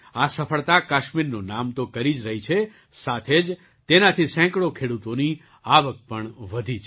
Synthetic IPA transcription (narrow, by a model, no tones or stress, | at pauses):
asəfʰəɭt̪akaʃmiɾnunamt̪okəɾid͡ʒɾəɦit͡ʃʰe | sat̪ʰed͡ʒ | t̪enat̪ʰisɛ̃kɽokʰeɽut̪oni | aʋək̚pəɳʋəd̪ʱit͡ʃʰ